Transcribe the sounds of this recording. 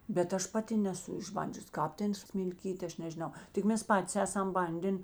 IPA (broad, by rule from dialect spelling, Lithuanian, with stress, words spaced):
bʲɛt ˈɐʃ ˈpɑːˌtʲɪ nʲɛˈsʊ ɪʒˈbɐnʲd͡ʒʲʊs ˈkɑːp ˈtʲɛn sʲmʲɪlʲˈkʲiːtʲ ˈɐʃ nʲɛʒʲɪˈnɐʊ tʲɪk ˈmʲɛs ˈpɑːtʲɪs ˈæːsɐm ˈbɐnʲdʲeːn